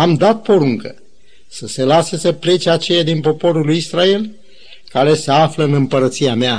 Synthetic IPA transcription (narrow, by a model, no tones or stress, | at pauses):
amd̪at̪̚po̞ɾuŋkə | səse̞lasesəple̞t͡ʃeat͡ʃe̞jad̪inpo̞po̞ɾulujisɾae̞l | kaɾe̞seafləɨnɨmpəɾət̪siamea